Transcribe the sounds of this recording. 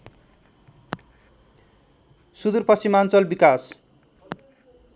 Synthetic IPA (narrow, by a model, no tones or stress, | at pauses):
sud̪urpʌsimant͡sʌlbikas